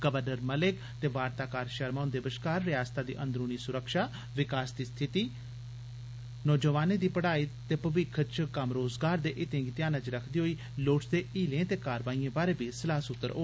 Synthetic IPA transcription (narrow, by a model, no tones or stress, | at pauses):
ɡəʋəɾnəɾməlɪk | t̪eːʋaːɾt̪aːkaːɾʃəɾmaːnd̪eːbəʃkaːɾːɪjaːst̪aːd̪ḭːʔə̃nd̪ɾoːniːsʊɾəkʃaː | ʋɪkaːsd̪iːst̪ʰɪt̪iː | nɔːd͡ʒəʋaːnẽːd̪iːpəɽaːiːt̪eːpəʋɪkʰət͡ʃkəmɾoːzɡaːɾd̪eːʔɪt̪ẽːɡit̪ɪjaːnãːt͡ʃɾəkʰd̪iːɦoːiː | loːʈsd̪eːiːlẽːt̪eːkaːɾʋaːiːẽːbaːɾeːbiːsəlaːsʊt̪ːəɾʔo̰ː